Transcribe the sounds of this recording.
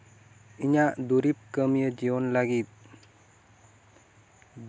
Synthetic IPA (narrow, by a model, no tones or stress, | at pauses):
iɲaʔd̪uɾip̚kəmijəd͡ʒiɔnlaɡit̪̚